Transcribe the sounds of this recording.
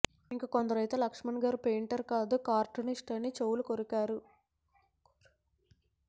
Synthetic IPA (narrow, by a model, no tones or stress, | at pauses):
iŋkakond̪ɐɾɐjt̪eːlɐkʂmɐnɡaːɾpeːɳʈɐɾkaːd̪ukaːɾʈuniʂʈɐnit͡ʃewulukoɾukaːɾu